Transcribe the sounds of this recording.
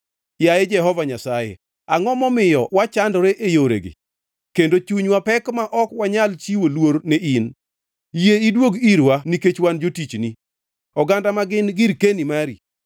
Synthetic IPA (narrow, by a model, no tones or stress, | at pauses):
jajed͡ʒɛɦɔvaɲasajḛ | aŋɔmɔmɪjɔwat͡ʃandɾeʔejoɾḛɡɪ̰ | kendot͡ʃuɲwapɛkmaʔɔkwaɲalt͡ʃiwolwoɾnein | jeidwoɡiɾwaniket͡ʃwand͡ʒotit͡ʃni | ɔɡandamaɡɪnɡɪɾkenimaɾi